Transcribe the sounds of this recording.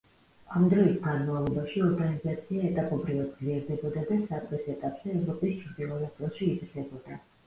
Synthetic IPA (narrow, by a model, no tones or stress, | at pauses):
amd̪ɾɔisɡanmavlˠɔbaʃiɔɾɡanizat̪sʰiaɛt̪ʼapʼɔbɾivad̪̚zliɛɾd̪ɛbɔd̪ad̪asat̪ʼɛsɛt̪ʼapʼz̥ɛːvɾɔpʼist͡ʃʰʼɾd̪ilˠɔnat̪ʼɛʃiːzɾd̪ɛbɔd̪a